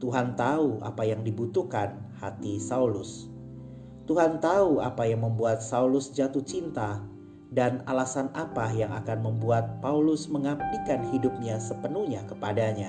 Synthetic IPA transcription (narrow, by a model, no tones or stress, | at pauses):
t̪uɦant̪aua̰pajaŋdibut̪ukanhat̪isaulʊs | t̪uɦant̪aua̰pajaŋməmbuat̪̚saulʊsd͡ʒat̪uht͡ʃint̪a | danalasanapajaŋa̰kanməmbuat̪̚paulʊsməŋamnikanhidʊp̚ɲasəpənuhɲakəpadaɲa